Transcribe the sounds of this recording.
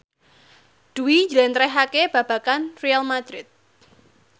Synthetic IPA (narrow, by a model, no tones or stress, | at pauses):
d̪̥uwid͡ʒlɛnt̪ɾɛɦakeb̥ä̤b̥ä̤kanrialmad̪̥ɾɪt̪̚